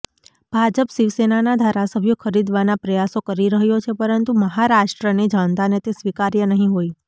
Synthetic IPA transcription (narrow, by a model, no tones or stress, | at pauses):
b̥ʱad͡ʒəpʃiʋsenanad̪ʱaɾasəbʱjokʰəɾid̪ʋanapɾəjasokəɾiɾəɦjot͡ʃʰepəɾənt̪uməɦaɾaʂʈɾəned͡ʒãnt̪anet̪esʋikaɾjənəɦĩɦoj